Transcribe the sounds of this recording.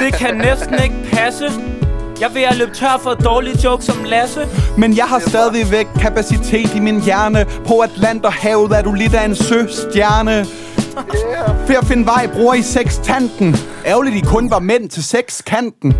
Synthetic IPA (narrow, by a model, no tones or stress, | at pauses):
d̥e̝kʰænesd̥n̩e̝ɡ̥əpʰæsəjɑ̈ɪʋe̝æløːb̥̚t͡sʰɶɐ̰fɒd̥ɒːlid̥jɔʊɡ̥sɒ̽mlæsəmenjɑ̈ɪɦɑ̈sd̥ɛð̞ˠʋiʋeɡ̥̚kʰːæpʰæsit͡sʰe̝̰ːd̥iminjæɐnəpʰɒ̽æd̥læn̰d̥ɒhɛːʊð̩ˠæd̥ule̝d̥æe̝nsøsd̥jæɐnə | feɒfe̝nʋɑ̈ɪ̰b̥ʁuːɐiseɡ̥st͡sʰæn̰d̥n̩ | ʔæʊlid̥ikʰɔ̽nʋɑ̈men̰t͡sʰe̝lseɡ̥skʰæn̰d̥n̩